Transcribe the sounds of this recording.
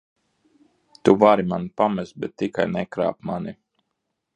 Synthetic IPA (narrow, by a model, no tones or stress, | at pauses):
t̪uvaɾimanpamɛzbɛt̪ːikajnɛkɾa̰ːpmani